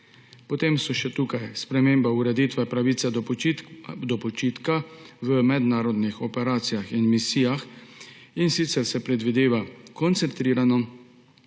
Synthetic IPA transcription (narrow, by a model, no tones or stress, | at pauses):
pɔt̪emsɔʃɛt̪uːkajspɾɛmeːmbauɾɛd̪iːt̪ʋɛpɾaʋiːt̪sɛ | d̪ɔpɔt͡ʃiːt̪kaʋəmɛd̪naːɾɔd̪nixɔpɛɾaːt̪sijaxinmisiːjax | insit̪sɛɾsɛpɾɛd̪ʋid̪eːʋakɔnt̪sɛnt̪ɾiːɾanɔ